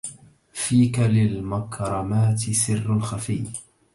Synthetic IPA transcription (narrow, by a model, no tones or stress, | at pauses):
fiːkalɪlmakɾˤɑmaːt̪ɪsɪrːalxafɪː